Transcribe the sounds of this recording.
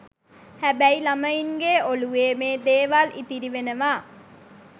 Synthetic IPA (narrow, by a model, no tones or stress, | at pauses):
hæbæilaməiŋɡeoluʋeːmeːd̪eːʋalʔḭt̪iɾiʋenəʋaː